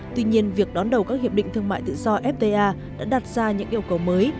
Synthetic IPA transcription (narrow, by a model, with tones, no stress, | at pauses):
t̪wi˧ɲi˧ənvi˨˩ək̚ɗɔ˨˦nɗə˨˩wkaː˦˥k̚hi˨˩əp̚ɗḭ˧˨ŋt̪ʰɨ˧əŋma̰ː˧˨jt̪ɨ̰˧˨zɔ˧ʔɛ˦˥p̚t̪e˧ʔaː˧ | ɗa̰ː˧˥ɗa˨˩t̚z̥aː˧ɲɨ̰˧˥ŋʔi˧əwkə˨˦wməː˨˦j